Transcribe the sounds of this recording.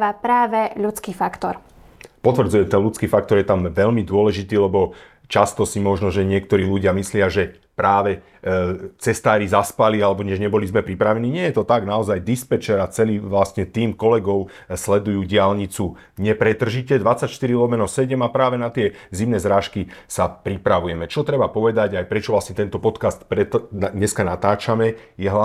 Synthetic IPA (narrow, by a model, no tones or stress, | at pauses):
apɾaːʋɛʎut͡skiːfakt̪ɔɾ | pɔt̪ʋr̩d͡zujɛmt̪ɛnlut͡skiːfak̚t̪ɔɾjɛt̪amʋɛʎmid̪ʊɔlɛʒit̪iːlɛbɔ | t͡ʃast̪ɔsimɔʒnɔʒɛɲɪɛkt̪ɔɾiːluɟɪamislɪaʒɛ | pɾaːʋɛ | t͡sɛst̪aːɾizaspalialɛbɔɲɛʒɲɛbɔlizmɛpɾipɾaʋɛniːɲɪɛjɛt̪ɔt̪aɡnaɔzajd̪ispɛt͡ʃɛɾat͡sɛliːʋlasɲɛt̪iːmkɔlɛɡɔʊ | slɛd̪ujuːɟɪalɲit͡su | ɲɛpɾɛt̪r̩ʒicɛd̪ʋat͡sacʃt̪iɾilɔmɛnɔʊsɛɟɛmapɾaːʋɛnat̪ɪɛzimnɛzɾaːʃkisapɾipɾaʋujɛmɛt͡ʃɔt̪ɾɛbapɔʋɛd̪aɟajpɾɛt͡ʃɔʋlasɲɛt̪ɛnt̪ɔpɔt̪kast̪pɾɛt̪aɲɛskanat̪aːt͡ʃamɛjɛɦa